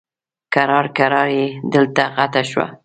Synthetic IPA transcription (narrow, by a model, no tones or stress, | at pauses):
kaɾɑɾkaɾɑɾjed̪əlt̪aɣat̪aʃwa̰